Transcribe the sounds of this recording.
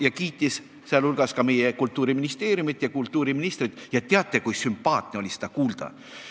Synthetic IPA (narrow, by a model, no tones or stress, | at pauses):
jɑkiːt̪ːˑis | seɑlulɡ̥ɑskɑme̞jekult̪ːˑuːɾiminist̪e̞ːɾjumit̪ːˑjɑkult̪ːuːɾiminist̪rid̪̥jɑt̪eɑt̪ˑːekujsympɑːt̪neo̞lise̥d̪̥ɑkuːld̪̥ɑ̰